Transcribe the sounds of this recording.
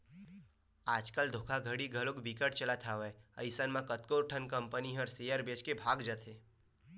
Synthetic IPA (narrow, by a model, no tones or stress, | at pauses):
aːd͡ʒkəld̪ʱoːkʰaɡʱəɽiɡʱəlokbikəʈt͡ʃəlat̪ʰaʋəeə̰ɪsənmãkət̪koːɾʈʰənkə̃mpəniɦɔɾsejəɾbet͡ʃkebʱaːɡd͡ʒat̪ʰeː